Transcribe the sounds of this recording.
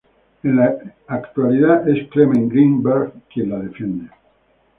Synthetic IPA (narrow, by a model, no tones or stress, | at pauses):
elaːkt̪ualit̪aʔesklemeŋɡɾimbɛɾɡkjelaðefɛnd̪e